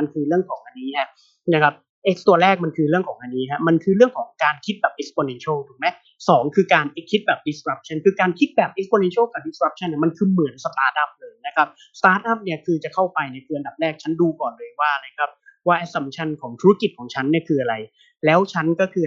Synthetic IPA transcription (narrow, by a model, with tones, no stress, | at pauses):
a˧nkʰɯː˧ɾɯ˥˩əŋkʰɔː˩˦ŋʔa˧nːiː˦˥a˦˥ | na˦˥kʰa˦˥p̚ | ʔe˦˥k̚st̪u˧˩ɐɾɛː˥˩k̚ma˧nkʰɯː˧ɾɯ˥˩əŋkʰɔː˩˦ŋʔa˧nːiː˦˥kʰa˦˥ma˧nkʰɯː˧ɾɯ˥˩əŋkʰɔː˩˦ŋkaː˧nkʰi˦˥t̪̚bɛː˨˩p̚ʔe˦˥kspo˧ne˧nt͡ɕʰo˥˩wt̪ʰɯ˩˦mɛ˦˥ | sɔː˩˦ŋkʰɯː˧kaː˧nʔe˦˥kʰːi˦˥t̪̚bɛː˨˩p̚di˨˦˥skɾa˦˥p̚t͡ɕʰa˥˩nkʰɯː˧kaː˧nkʰi˦˥t̪̚bɛː˨˩p̚ʔe˦˥spʰoː˧ne˧nt͡ɕʰo˥˩wka˨˩p̚di˧˦skɾa˦˥p̚t͡ɕʰa˥˩nːa˥˩ma˧nkʰɯː˧mɯ˨˩˦ənsə˧t̪aː˦˥t̪̚ʔa˦˥˩p̚lɤː˧jna˦˥kʰa˦˥p̚ | st̪aː˦˥t̪̚ʔa˥˩p̚ni˥˩ɐkʰɯː˧t͡ɕa˨˩kʰa˥˩wpa˧jna˧˥˩kʰɯː˧ʔa˧nda˨˩p̚ɾɛː˥˩k̚t͡ɕʰa˦˥nduː˧kɔː˨˩nlɤː˧jwaː˥˩˧la˧jkʰɾa˦˥p̚waː˥˩ʔɛ˦˥sa˧mt͡ɕʰa˧˥nkʰɔː˩˦ŋt̪ʰu˦˥ɾa˦˥ki˨˩t̪̚kʰɔː˩˦ŋt͡ɕʰa˦˥nːi˥˩əkʰɯː˧˩ʔa˧ɾa˧j | lɛː˦˥wt͡ɕʰa˦˥nkɔː˥˩kʰɯː˧